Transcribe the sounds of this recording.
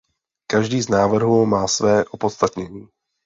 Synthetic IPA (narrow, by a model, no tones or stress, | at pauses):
kaʒdiːznaːvr̩ɦumaːsvɛːʔopo̞t̪st̪at̪ɲɛɲiː